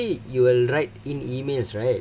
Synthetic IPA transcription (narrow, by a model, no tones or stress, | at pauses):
ijuwilɹaɪt̚ĩnimelsɹaɪt̚